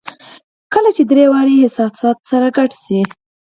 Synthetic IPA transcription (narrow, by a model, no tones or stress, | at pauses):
kəlat͡ʃed̪ɾewɑɾihɪsɑsɑt̪saɾaɡaʈsi